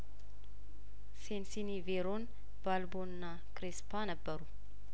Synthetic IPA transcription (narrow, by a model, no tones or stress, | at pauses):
sensiniveɾon | balbonna | kɾespʰanəbːəɾu